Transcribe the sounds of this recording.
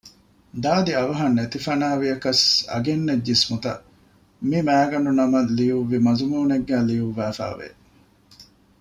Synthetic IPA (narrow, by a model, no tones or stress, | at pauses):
d̪aːd̪iɐʋɐɦɐnːet̪ifɐnaːʋiɐkɐsɐ̰ɡenːed͡ʒːismut̪ɐ̰ | mimæːɡɐnunɐmɐlijuʋːimɐzumuːneɡːæːlijuʋːæːfæ̰ːʋḛ